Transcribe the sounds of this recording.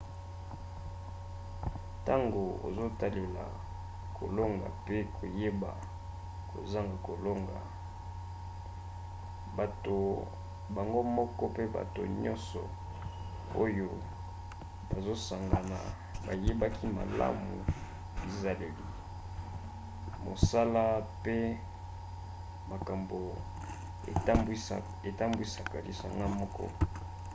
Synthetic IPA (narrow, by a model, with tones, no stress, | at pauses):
ta˦ŋɡo˨o̰˨zo˦ta˦le˨la̰˨ | kʰo̰˨lo˦ŋɡa̰˨pe˦kʰo˨je˦ba̰˨ | ko̰˨za˦ŋɡa˨ko˨lo˦ŋɡa̰˨ | ba˨to˨ | ba˨ŋɡo˦mɔ˦kɔ˦pe˦ba̰˨to̰˨ɲɔ˦nsɔ̰˨ | o˦jo˦ | ba˨zo˦sa˨ŋɡa˨na̰˨ | ba˨je˦ba˦ki˦ma̰˨la̰˦mu˨ | bi˨za˦le˨li˨ | mo˨sa˦la˦pe˦ | ma˨ka˨mbo˨ | ḛ˨˦m˦ | e˨ta˦mbwi˦sa˨ka˨li˨sa̰˨ŋɡa˦mɔ˦kʰɔ̰˦